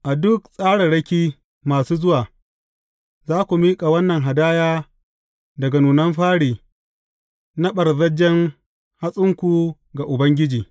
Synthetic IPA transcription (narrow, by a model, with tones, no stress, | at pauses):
ʔa˨dʊ˦ksʼaː˦ɽɐ˨ɽɐ˦kʲiː˦ | maː˨suː˦zʊ˦waː˨ | zaː˦kʷu˨miː˦kʼa˨wɐ˦nːɐ˨ŋɦa˨daː˦jaː˦ | dɐ˨ɡa˨nuː˨nɐ˦mɸaː˦ɽiː˨ | na˦ɓɐ˨rzɐ˦d͡ʒːɛ˦ŋ | ha˦sʼʊ˦ŋkʷu˨ | ɡa˨ʔʊ˨bɐ˦ŋɡʲɪ˦d͡ʒiː˨